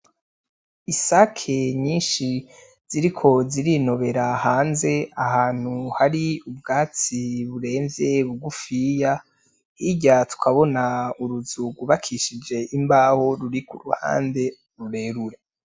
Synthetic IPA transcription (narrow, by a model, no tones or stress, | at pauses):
isakʰe̞ɲiːnʃi | z̥iɾikʰo̞ziɾino̞βe̞ɾahaːnze̞aɦaːn̥huhaɾiub̚ɡaːt͡siβuɾe̞ːɱvje̞βuɡufija | hiɟatu̥kʰaβo̞nauɾuzuɡuβakʰiʃid͡ʒe̞ʔimbaho̞ɾuɾikṵɾṵha̰ːnde̞ | ɾuɾe̞ɾuɾe